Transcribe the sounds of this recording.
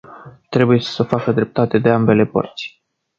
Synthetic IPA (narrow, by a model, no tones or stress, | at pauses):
t̪ɾe̞buje̞səfakəd̪ɾe̞p̚t̪at̪e̞d̪e̞ambe̞le̞pə̰rt̪sʲ